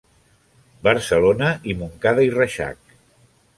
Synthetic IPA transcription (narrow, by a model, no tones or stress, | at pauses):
bəɾsəlonəʔimuŋkaðəirəʃa̰k